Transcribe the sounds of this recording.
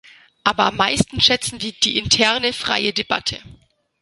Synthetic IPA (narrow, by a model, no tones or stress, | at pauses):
ʔaːbɐʔamːaɪstn̩ʃɛt͡sn̩viːd̥iːʔɪntʰɛɐnəfʁ̥a̰ɪədeba̰tʰə̰